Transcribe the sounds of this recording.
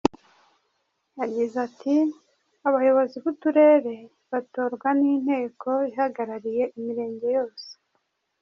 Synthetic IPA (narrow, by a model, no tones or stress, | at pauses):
jaɡizatʰi | aβajo̞βo̞ziβutuɾe̞ːɾe̞ | βato̞ːɾɡwanin̥he̞ːkʰo̞iɦaɡaɾaɾije̞ʔimiɾe̞ːɲɟe̞jo̞ːse̥